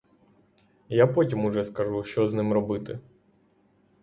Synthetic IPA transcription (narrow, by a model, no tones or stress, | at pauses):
japɔtʲimʊʐɛskɐʒuʃt͡ʃɔznɪmɾɔbɪt̪ɪ